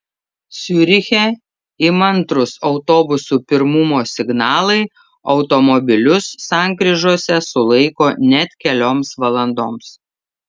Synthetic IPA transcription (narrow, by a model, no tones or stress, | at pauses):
sʲuɾʲɪxʲɛ | ɪmɐnt̪ɾʊsɒʊt̪oːbʊsupʲɪɾmʊmoːsʲɪɡnɑːlˠɐɪ | ɒʊt̪ɔmɔbʲɪlʲʊsːɑːˑŋʲkɾʲiʒuɔsʲɛsʊlˠɐɪkoːnʲɛt̪ʲkʲɛlʲoːmsʋɐlˠɐnd̪oːms